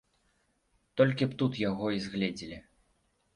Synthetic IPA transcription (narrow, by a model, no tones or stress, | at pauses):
t̪ɔlʲkʲipt̪ut̪jaɣɔizɣlʲɛd͡zʲilʲi